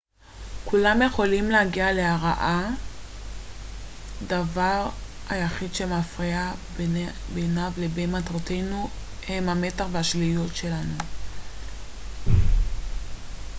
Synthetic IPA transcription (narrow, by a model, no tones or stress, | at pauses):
kulamje̞χo̞limlehaɡiale̞aʁaʔa | davaʁhajaχidʃe̞mafʁia | benavlebejmatʁote̞jnu | hemhame̞taχveaʃlijo̞tʃe̞lanu